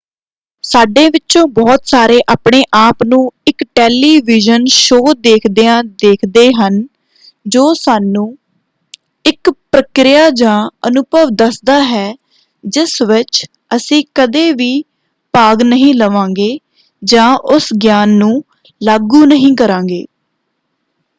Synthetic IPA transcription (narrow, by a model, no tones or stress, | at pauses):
saːɖeːʋɪt͡ʃõːbɔːt̪saːɾeːʔaːpɳeːʔaːpnũːɪkʈɛːliːʋiːd͡ʒənʃoːd̪eːkʰd̪eːãːd̪eːkʰd̪eːɦən | d͡ʒoːsaːnũː | ɪkpɾəkɾɪjaːd͡ʒãːənʊbəʋd̪əsd̪aːɦɛː | d͡ʒɪsʋɪt͡ʃ | əsĩːkəd̪eːʋiː | paːɡnəɦĩːləʋãːŋɡeː | d͡ʒãːʔʊsɡjaːnːũː | laːɡuːnəɦĩːkəɾãːŋɡḛː